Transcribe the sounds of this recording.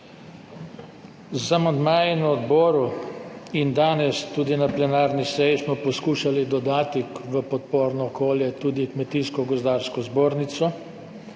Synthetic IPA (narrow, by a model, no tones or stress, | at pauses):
zamand̪maːjɛnaɔd̪bɔːɾu | ind̪aːnɛst̪uːd̪inaplɛnaːɾnisɛjismɔpɔskuːʃalid̪ɔd̪aːt̪iʋəpɔt̪̚poːɾnɔːkoːljɛt̪uːd̪ikmɛt̪iːskɔɡɔzd̪aːɾskɔzboːɾnit̪sɔ